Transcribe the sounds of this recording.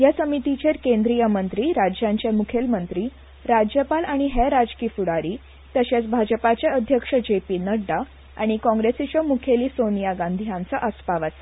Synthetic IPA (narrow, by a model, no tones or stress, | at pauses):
jasəmit̪it͡ɕeɾkẽnd̪ɾijəmənt̪ɾiːɾad͡ʑjãɲt͡ɕjemukʰelmənt̪ɾiː | ɾad͡ʑjəpalaɽ̃iɦeɾad͡zkiːfuɽaɾiː | t̪əɕet͡sbʱad͡ʑəpat͡ɕjeəd̪ʱjəkʂəd͡ʑepiːnəɽːa | a̰ɽ̃ikɔ̃ŋɡɾesit͡ɕəmukʰeliːsonijaɡãnd̪ʱijãnt͡səʔəspaʋat͡s